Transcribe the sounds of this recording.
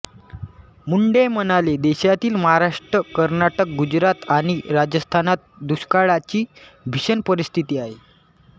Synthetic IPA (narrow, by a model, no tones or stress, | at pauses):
muɳɖemənaled̪eɕat̪iːlməɦaɾaʂʈɾəkəɾnaʈək̚ɡud͡ʑɾat̪aɽ̃iɾad͡ʑəst̪ʰanat̪̚d̪uɕkaɭat͡ɕiː | bʱiɕənpəɾist̪ʰit̪iːaɦe